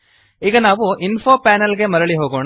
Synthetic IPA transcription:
iːɡɐnaːʋuʔinfʰoːpaːnɐlɡe̞mɐɾɐɭiɦoːɡoːɳ

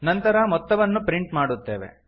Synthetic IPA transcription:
nɐnt̪ɐɾɐmɔt̪ːɐʋɐnːupɾiɳʈmaːɽut̪ːe̞ːʋḛ

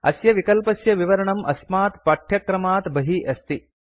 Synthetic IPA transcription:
ɐ̰sjɐʋikɐlpɐsjɐʋiʋɐɾɐɳɐmʔɐsmaːt̪pɐʈʰjɐkɾɐmaːt̪bɐɦiʔɐst̪i

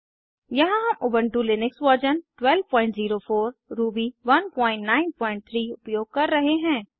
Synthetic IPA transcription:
jɐɦãɦɐmʔʊbə̃ɳʈulɪnɪkswɐd͡ʒənʈwɛlʋpɔ̃ːɪ̃ɳʈziːɾofʰoːɾɾuːbiʋɐnpɔ̃ːɪ̃ɳʈnaːɪnpɔ̃ːɪ̃ɳʈ̚t̪ʰɾiːʊpjoːɡ̚kɐɾːɐɦeɦɛ̃ː

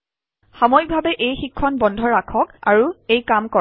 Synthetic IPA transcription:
xamɔjk̚bʱabɛʔejxikʰːɔnbɔndʱɔɹakʰɔka̰ɹuejkamkɔ

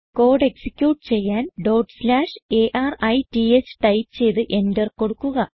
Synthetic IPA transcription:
ko̞ːɖe̞ksikʲːjuːʈːɨt͡ɕe̞jːaːnɖoːɖslaːʂeʔaːrɐjtiet͡ɕːɨ̥ʈɐjp̚t͡ɕe̞jt̪ɨʔe̞ndɐrko̞ɽukːuɣɐ

